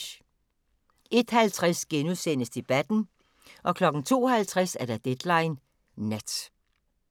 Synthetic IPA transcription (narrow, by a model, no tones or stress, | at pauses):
e̝d̥hælt͡sʰʁɛsɡ̥enusen̰əsd̥e̝b̥æd̥n̩ | ʔɒ̽kʰlɒ̽ɡ̥n̩t͡sʰo̝̰ːhælt͡sʰʁasæɐd̥æd̥ed̥lɑ̈ɪnː | ed̥